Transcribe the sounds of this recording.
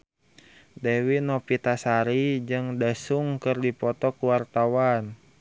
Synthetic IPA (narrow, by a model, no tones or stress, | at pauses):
dɛwinɔpit̪asaɾid͡ʒɨŋdasuŋkɨrdipɔt̪ɔkuwart̪awan